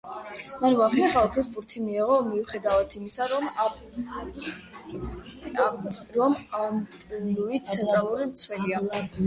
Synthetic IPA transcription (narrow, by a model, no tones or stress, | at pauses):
manvaχɛχalˠkʰisbuɾt̪ʰimiɛʁɔmiuχɛd̪avat̪ʰimisa | ɾɔmamtʼuluit̪sʰɛnt̪ʼɾalˠuɾimt̪sʰwɛlia